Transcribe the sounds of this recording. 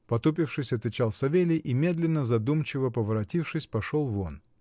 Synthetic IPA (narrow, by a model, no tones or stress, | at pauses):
pɐt̪upʲɪfʂɨsʲɐt̪vʲɪt͡ɕalˠsɐvʲelʲɪjʔimʲe̞d̪lʲɪnːəzɐd̪umt͡ɕɪvəpəvəɾɐtʲifʂɨsʲpɐʂolˠvon